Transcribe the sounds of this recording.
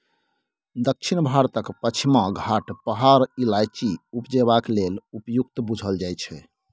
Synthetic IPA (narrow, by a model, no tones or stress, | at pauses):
d̪ək̚t͡ʃʰinbʱaɾt̪əkpət͡ʃʰimãɡʱaʈpəɦaɾilajt͡ʃiupd͡ʒebaklelupjukt̪bud͡ʒʱəld͡ʒajt͡ʃʰɛ